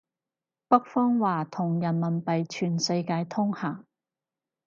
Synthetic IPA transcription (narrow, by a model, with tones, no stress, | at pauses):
pɐ˥k̚fɔː˥ŋwaː˨˩t̪ʰʊ˨˩ŋjɐ˨˩nmɐ˨˩npɐ˨jt͡ʃʰyː˨˩nsɐ˧jkaː˧jt̪ʰʊ˥ŋhaː˨˩ŋ